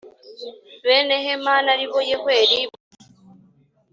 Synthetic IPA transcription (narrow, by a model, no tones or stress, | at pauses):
βeːneɦemaːnaɾiβojehwe̞ːɾiβa